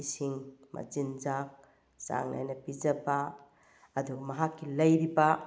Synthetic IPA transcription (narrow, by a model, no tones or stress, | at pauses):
isiŋmʔɐ̰t͡ʃinzak̚ | sa̰ŋna̰jnɐpid͡ʒɐbaː | duɡɐmɐɦakʰːilɐjɾiba